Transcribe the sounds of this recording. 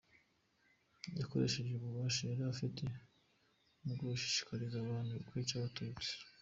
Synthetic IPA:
jako̞̰ɾe̞ʃeʒeβuβaːʃaeɾaafitʰe | muɡoβuʃi̥ʃi̥kʰaɾizaβaːndukwit͡ʃaβatuːt͡si̥

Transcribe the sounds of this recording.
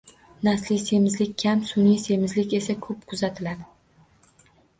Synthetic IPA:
naslɪjse̞mɪzlɪkʲkʲʰamsʊnijse̞mɪzlɪkʲe̞sakʰɵp̚kʰʊzat̪ʰɪlad̪ɪ

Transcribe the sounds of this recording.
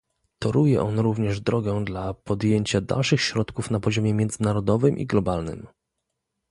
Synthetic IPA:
t̪ɔɾujɛʔɔnɾuvɲɛʐd̪ɾɔɡɛd̪lapɔd̪jeɲt͡ɕad̪a̰lʂɘxɕɾɔt̪kufnapɔʑɔmʲjɛmʲjɛnd̪zɘnaɾɔd̪ɔvɘmʔḭɡlɔbalnɘ̰m

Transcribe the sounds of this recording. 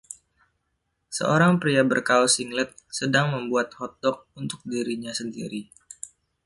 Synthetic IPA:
sə̰oɾaŋpɾiabərkaɔsiŋlɛt̪̚sədaŋməmbuat̪̚hɔt̪̚ɔk̚unt̪ʊk̚diɾiɲasəndḭɾi

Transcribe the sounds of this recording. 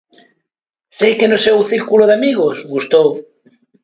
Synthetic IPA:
sejkenoseuθiɾkuloðeamiɣosɣust̪ow

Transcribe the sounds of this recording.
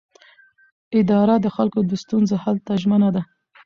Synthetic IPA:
ɪd̪ɑɾad̪əxalkod̪əst̪unzohalt̪aʒmənad̪a

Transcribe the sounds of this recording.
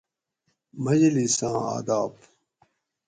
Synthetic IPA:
mɐd͡ʑlisãːa̰ːd̪aːb

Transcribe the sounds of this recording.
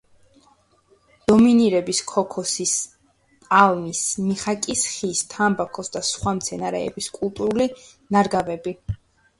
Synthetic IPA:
d̪̥ɔminiɾɛbiskʰɔkʰɔsis | tʼalˠnismiχakʼisχist̪ʰambakʰɔsd̪asχwamt̪sʰɛnaɾɛ̰ɛ̰biskʼulˠt̪ʼuɾulinaɾɡavɛbi

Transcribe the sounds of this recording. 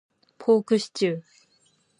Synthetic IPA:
pʰoːkɯ̟ɕi̥t͡ɕɨː

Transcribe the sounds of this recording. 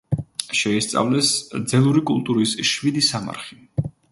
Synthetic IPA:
ʃɛist̪sʼa̰vlɛsd̪zɛlˠuɾikʼulˠt̪ʼuɾisʃvid̪isama̰ɾχi

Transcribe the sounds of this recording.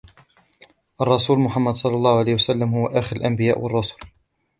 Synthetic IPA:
ʔɑrˤːɑsuːlmʊħamːad̪sˤɑlːɑlˤːɑːhʊʕalaːhwasalːamhʊwaʔaxɪɾalʔambɪjaːʔwɑrˤːɑsu̥ːl

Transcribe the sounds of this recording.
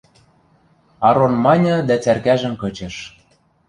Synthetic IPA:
ɑɾonmɑnʲɤ̆d̪æt͡særkæʒɘ̆mkɤ̆t͡ɕɤ̆ʃ

